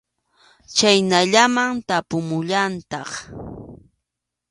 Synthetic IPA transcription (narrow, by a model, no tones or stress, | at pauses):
t͡ʃajnaʎamaŋt̪apʊmʊʎant̪ɑχ